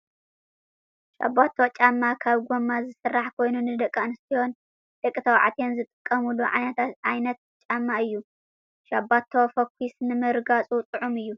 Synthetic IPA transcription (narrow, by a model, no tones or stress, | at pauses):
ʃa̰bat̪ʰːt͡ʃʼamːakʰaβɡʷomːazɨsɨrːaħkʰo̞jnunɨd̪ɐkʼːanɨst̪iho̞n | d̪̥ɐkʼːɨt̪ʰɐwʕa̰t̪ʰenzɨt̪ʼɨkʼːɐmuluʕa̰jnɐt̪ʰat̪ʕajnɐt̪̚ | t͡ʃʼamːaɨjːu | ʃabat̪ʰːowfɐkʰʷːisnɨmɨɾɨɡat͡sʼut̪ʼɨʕumɨjːu